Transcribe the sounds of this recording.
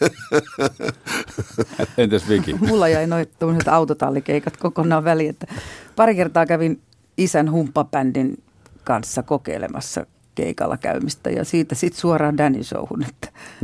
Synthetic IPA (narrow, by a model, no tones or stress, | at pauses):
ent̪iesʋikḭmulːɑjɑinoit̪omːoset̪ɑut̪ot̪ɑlːikeikɑt̪kokonɑːʋʋæliet̪ːæpɑrikert̪ɑːkæʋin | isænhumpːɑpændin | kɑnsːɑkokḛilḛmɑ̰sːɑ̰ | kḛikɑ̰lːɑkæ̰ymist̪æ̰jɑ̰siːt̪æsit̪suɑrɑːndænḭso̰uhunet̪ːæ̥